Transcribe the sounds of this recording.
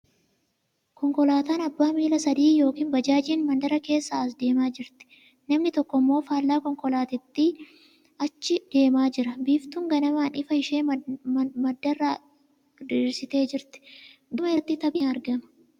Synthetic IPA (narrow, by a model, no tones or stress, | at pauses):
kɔŋkɔlaːt̪aːnɐbːaːmiːlɐsɐd̪iːjo̞ːkiːnbɐd͡ʒaːd͡ʒiːnmɐnd̪ɐɾɐke̞ːsːaɐs̬d̪e̞ːmaːd͡ʒɪɾt̪ɛ̥ | nɐmnɪt̪ɔkːɔmːo̞ːfaːlːaːkɔŋkɔlaːt̪ɪt̪ːi | ʔɐt͡ʃːɪd̪̥e̞ːmaːd͡ʒɪɾɐbiːft̪uːŋɡɐnɐmaːnɪfɐhɪʃe̞ː | mɐd̪ːɐrːaː | d̪iɾsɪt̪e̞ːd͡ʒɪɾt̪ɛ̥d̪ʊmɐɪt̪ːɪt̪ɐbɪɐɾɡɐmɐ̥